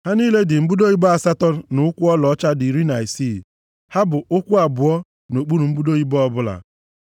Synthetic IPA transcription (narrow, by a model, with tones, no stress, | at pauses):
ha˦niː˦le˦dɪ˨m̩˦bu˦do˦i˦bɔ˦a˨sa˦tɔ˦˨nʊ˨˦kʷu˦ɔ˦lɔ˨˦t͡ʃa˦di˨ɾi˦na˨i˨si˦˨ | ha˦bʊ˨ʊ˦kʷu˦a˨bʊ˨ɔ˦ | no˨k͡pu˦nu˨m̩˦bu˦do˦i˦bɔ˦ɔ˦bʊ˦la̰˨